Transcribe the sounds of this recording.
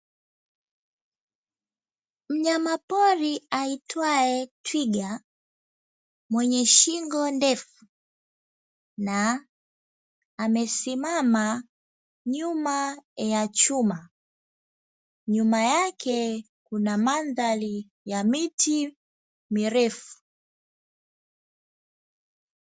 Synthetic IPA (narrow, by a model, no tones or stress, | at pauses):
m̩ɲamapɔɾiaitwaɛtwiɠa | mwɛɲɛʃiŋɡɔndɛfu | na | mɛsimama | ɲumajat͡ʃuma | ɲumajakʰɛ | kunamanðali | jamitʰi | miɾɛfu̥